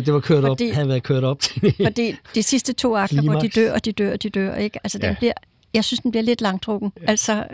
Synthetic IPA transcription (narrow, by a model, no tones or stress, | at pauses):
d̥e̝ʋɑ̈kʰøɐ̰ɾɒbd̥ḭhæðˠʋæɐðˠkʰøɐ̰ɾ̥ɒ̽b̥t͡sʰefɒ̽d̥ḭːd̥isisd̥ət͡sʰo̝̰ːɑ̈ɡ̥ɐʋɒd̥id̥øɐ̰ɒ̽d̥id̥ø̰ɐ̰d̥id̥øɐ̰e̝ɡ̥əælsəd̥enbliɐ̰ | jɑ̈ɪsynsd̥enb̥liɐle̝d̥lɑ̈ŋd̥ʁɔɡ̥n̩ʔælsɒ